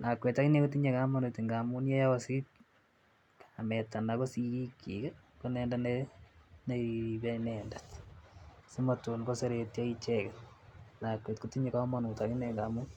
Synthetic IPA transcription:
nʔakwetakinekutiɲekamonetiŋɡamunjɛjaɔsi | amɛtanakosiɾikḭka | konɛːndaneneiβɛnɛːndat | simatunɡoseɾetjait͡ʃɛkɛnakwetkutiɲekamonutakineŋɡamu

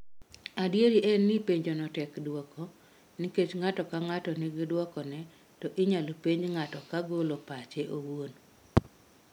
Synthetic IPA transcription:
adjeɾiʔɛnːɪpeɲd͡ʒɔnɔtɛkdwɔkʰɔ | niket͡ʃŋatɔkaŋatɔnɪɡɪdwɔkɔnɛ | tɔʔɪɲalopeɲŋatɔkaɡolopat͡ʃeʔowon

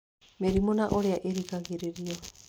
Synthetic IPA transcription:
meɾimonaʔoɾeaʔeɾiɡaɡeɾeɾio

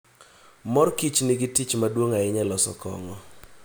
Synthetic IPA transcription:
mɔɾkit͡ʃnɪɡɪtit͡ʃmadwoŋaɪɲɛlɔsɔ̰kɔ̰ŋɔ

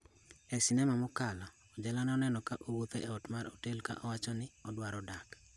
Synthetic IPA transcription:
ɛsinɛmamɔkala | ɔd͡ʒɛlanɛɔnɛnɔkaʔowot̪eʔɛɔtmaɾotelka̰ʔɔwat͡ʃɔnɪɔdwaɾɔdak

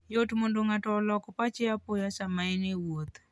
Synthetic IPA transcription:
jotmondoŋatɔlɔkɔpat͡ʃɪapojasamaɪnɪwot̪

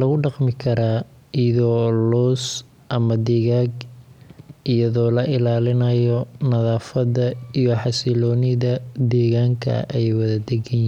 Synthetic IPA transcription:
lɐɣʊɖɑqmɪkʰɐɾaː | iðɔːlɔːs | ʔɐmɐd̪ɛːɣaːɡ | ʔijɐðɔːlɐʔɪlaːlɪnɐjɔnɐðaːfɐðɐijɔħɑsɪlɔːnɪðɐd̪ɛːɣaːŋkʰɐ̰ʔɛjwɐðɐd̪ɛɡɛn

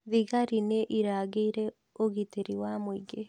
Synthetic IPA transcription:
ðiɣaɾineʔiɾaɣeiɾɛ | oɣitiɾiwamwiɡe

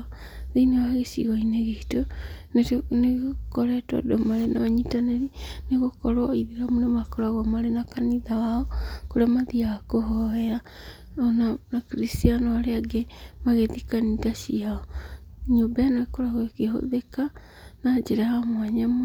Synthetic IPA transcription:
ðeinewaɣesḭɣɔineɣeitonetneɣokɔɾɛtwa̰domaɾenaaɲitaneɾineɣokɔɾwaiðiɾamonemakɔɾaɣamaɾenakaniðawaɔkoɾeamaðiaakoɦɔɛa | ɔnanakɾistianɔaɾeaɡemaɣeðikanidasiaɔɲobaanaɣekoɾaɣokeɦo̰ðeka | nad͡ʒeɾahamwaɲam

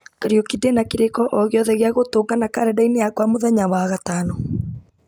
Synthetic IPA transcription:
kaɾijɔkidenakiɾekɔʔɔɣeɔðɛɣeaɣotoːŋɡanakaɾɛdainejakwamoðɛɲawaɣatanɔ

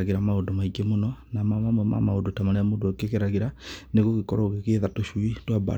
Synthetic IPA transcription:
ɣeɾamaodomaikemonɔnamamamwɛma̰maodotamanɛamodoɔkekeɾaɣeɾaneɣokekɔɾɔɣekeːðatoʃuitwaba̰

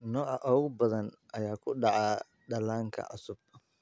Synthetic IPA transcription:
nɔːʔaʔɔːɣʊbɐðɐn | ʔɐjaːkʰʊɗɑʕa | ɗɐlaːŋkʰɐ̰ʔa̰sʊb̥̚

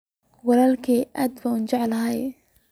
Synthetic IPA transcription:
wɑlaːlkʰiːʔaːd̪bɐunt͡ʃɑʕlɐɦɛj

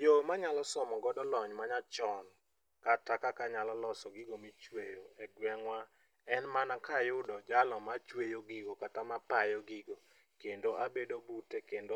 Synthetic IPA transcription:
jomaɲalɔsɔmɔɡɔdɔlɔɲmaɲat͡ʃɔn | katakakaɲalɔlɔsɔɡɪɡomit͡ʃwejoɛɡwɛŋwa | ɛnmanakajʊdɔd͡ʒalɔmat͡ʃwejoɡɪɡokatamapajoɡɪɡo | kendoʔabedobutekendo

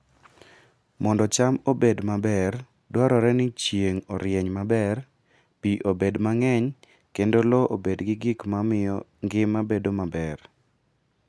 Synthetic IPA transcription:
mɔndɔt͡ʃamobedmabɛr | dwaɾɔɾɛnɪt͡ʃjeŋɔɾjeɲmabɛr | piʔobedmaŋɛɲ | kendolɔʔobedɡɪɡɪkmamɪjɔŋɡɪmːabedomabɛr

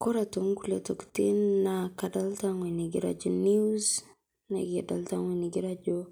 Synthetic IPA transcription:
koɾatoŋkuletoktinːakadaltaŋweniɡiɾa̰d͡ʒoniz | naɡiadaltaŋweniɡiɾad͡ʒo

